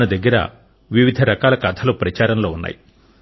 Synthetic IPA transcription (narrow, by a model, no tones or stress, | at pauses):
nɐd̪ɐɡːɐɾɐ̰ | ʋiʋid̪ʱɐɾɐkaːlɐkɐt̪ʰɐloːpɾɐt͡ʃaːɾɐmlo̞ːunːa̰ːji